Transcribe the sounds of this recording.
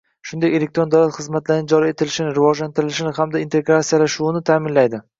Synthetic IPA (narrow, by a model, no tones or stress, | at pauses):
ʃʊnd̪aje̞le̞k̚t̪ɾo̞nd̪awlat̪χɨzmat̪laɾɪnɪd͡ʒɒɾie̞t̪ʰɪlɪʃɪnɪɾɪvɒd͡ʒlant̪ɪɾɪlɪʃɪnɪamd̪aint̪ʰe̞ɡɾat̪sijalaʃuɪnɪt̪ʰaːmɪnlajd̪ɪ